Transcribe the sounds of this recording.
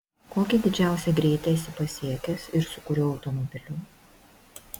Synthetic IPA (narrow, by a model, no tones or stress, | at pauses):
koːkʲɪd̪ʲɪd͡ʒʲæˑʊsʲɛɡɾʲeːt̪ʲɛsʲɪpɐsʲiɛkʲɛsɪɾsʊkʊɾʲoɐʊt̪ɔmɔbʲɪlʲʊ